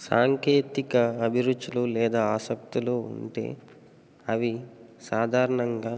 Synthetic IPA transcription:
saːŋkeːt̪ikɐɐbʱiɾud̪ːululɛːd̪aːaːsɐkt̪iluṵɳʈe̞̰ː | ɐʋisaːd̪ʱaːɾɐɳɐŋɡaː

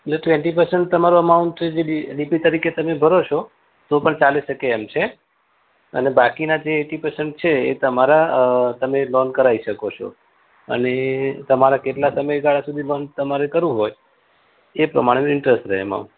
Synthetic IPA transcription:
elleʈʋeɳʈipəɾsəɳʈ̚t̪əmaɾoəmauɳʈt͡ʃed͡ʒeiɖipit̪əɾiket̪əmebʱəɾot͡ʃʰo | t̪opəɳt͡ʃaleʃəkeːmt͡ʃʰe | ə̰nebakinad͡ʒeːʈipəɾsəɳʈ̚t͡ʃʰeːt̪əmaɾat̪əmelɔnkəɾaiʃəkot͡ʃʰo̰ | ə̰net̪əmaɾakeʈlasəməjɡaɭasud̪ʱilɔnt̪əmaɾekəɾũɦoj | epɾə̰maɽ̃eɪɳʈɾəsʈɾəɦḛmã̰

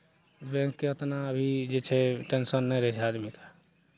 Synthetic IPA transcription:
bɛ̃ŋkːeət̪naəbʱid͡ʒet͡ʃʰɛʈensənːɛjɾɛɦt͡ʃʰɛad̪mike

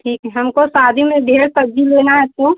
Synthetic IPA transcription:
ʈʰiːkɦɛɦɐmkosaːd̪ʱimẽɖʱeːɾsəd͡ʒileːnaɦɛs̚õ

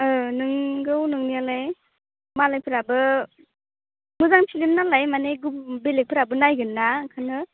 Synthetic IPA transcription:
ɯnɯŋɡɯwnɯŋnialaj | malajpʰɯɾabɯ | mɯzaŋpʰilimnalajmaneɡumbelek̚pʰɯɾabɯnajɡɯnːakʰanɯ

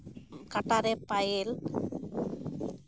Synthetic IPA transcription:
kɐʈːaɾepɐjɪl

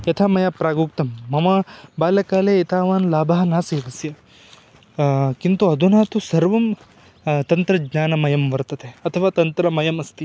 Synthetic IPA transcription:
jɐt̪ʰamɐjapɾaːɡuːk̚t̪ɐmːɐmɐbaːlɐkaːleit̪aːʋaːnlaːbɐɦɐnaːseːʋɐsjɐ | kint̪uɐd̪ʱunaːt̪usɐɾʋɐm | t̪ɐnt̪ɾɐɡɲaːnɐmɐjɐmʋɐɾt̪ɐt̪eːɐt̪ʰɐʋaːt̪ɐnt̪ɾɐmɐjɐmɐst̪i

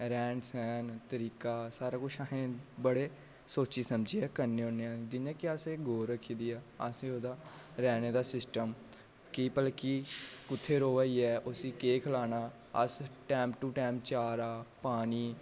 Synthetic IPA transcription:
ɾɛ̃ːɳɖsɛːnt̪əɾiːkaːsaːɾaːkʊt͡ʃʰaɦẽːbəɽeː | soːt͡ʃiːsəmd͡ʒiːɛːkəɾneːõːneãːd͡ʒɪnãːkiaseːɡʱoːɾəkʰːiːd̪iːaːə̰sẽːoːd̪aː | ɾɛːneːd̪aːsɪsʈəm | kipəlkikʊt̪ʰːeːɾoːʋaːiːɛːʔʊsiːkeːkʰəlaːnaː | ə̰sʈɛːmʈuːʈɛːmt͡ʃaːɾaːpaːniː

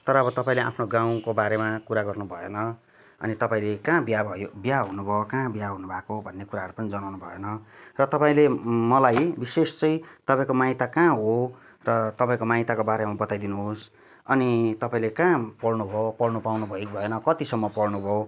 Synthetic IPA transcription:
t̪ʌɾʌːbʌt̪ʌpãĩleʔa̰pʰnoɡãw̃kobaɾemakuɾaɡʌrnubʱʌjḛnʌ | ʌ̰nit̪ʌpaĩlekãbjabʱʌjobjaɦunubʱʌokãbjaɦunubʱakoɦobʱʌnːekuɾaɦʌɾupʌnid͡zʌnawnubʱʌenʌrʌt̪ʌpãĩlemʌlajbisest͡sʌjt̪ʌpaĩkomaɦĩt̪akãɦo | rʌt̪ʌpãĩkomaĩt̪akobaɾemabʌt̪ajd̪inuɦos | ʌnit̪ʌpaĩlekãpʌɽnubʱopʌɽnupawnubʱʌibʱʌenʌkʌt̪isʌmːʌpʌɽnubʱʌo

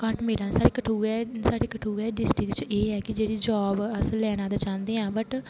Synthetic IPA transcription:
kəʈmeːɽãːsaːɾeːkəʈʰuːɛːsaːɽeːkəʈʰuːɛːɖɪsʈɪkt͡ʃeːɦɛːkɪd͡ʒeːɽiːd͡ʒaːbəsəlːɛːnãːd̪aːt͡ʃãːnd̪eːãːbəʈ

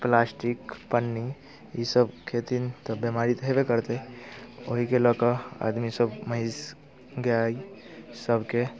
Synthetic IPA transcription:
plasʈikpənːi | isəbkʰet̪int̪ɔbjemaɾit̪ɦebekəɾt̪e | o̰ɦikeləkəa̰d̪misəbməɦiz | ɡaisəbke

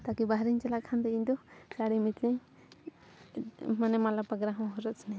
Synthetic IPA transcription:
t̪akibaɦɾiɲt͡ʃalaʔkʰand̪ɛiɲd̪ɔt͡ʃaɽimit̪liɲ | manɛmalapaɡɾaɦɔ̃ɦɔɾɔtsʰnɛ

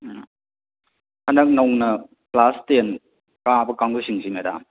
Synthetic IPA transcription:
hɐnɐk̚nɐwŋnɐ | plasten | kabɐkaŋbusiŋsimeɾa̰

